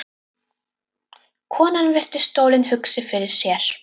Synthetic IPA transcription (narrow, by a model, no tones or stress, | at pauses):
kʰɔːnanvɛr̥t̪ɪ̥st̪oːwlɪnhʏksɪfɪɾɪɾ̥sjɛɾ̥